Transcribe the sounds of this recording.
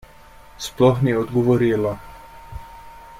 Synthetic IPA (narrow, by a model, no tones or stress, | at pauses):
splɔxniːɛɔd̪ɡɔʋɔɾiːla